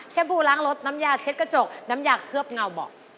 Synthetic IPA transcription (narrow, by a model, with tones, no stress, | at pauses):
t͡ɕʰe˧˥nbʰuː˧˩laː˨˦˥ŋlo˦˥t̪̚na˧˦˥mjaː˧˩k̚t͡ɕʰe˦t̪̚ka˧t͡ɕo˨˩k̚na˧˦˥mjaː˨˩k̚kʰɯ˧˩əp̚ŋa˧˩wbɔː˨˩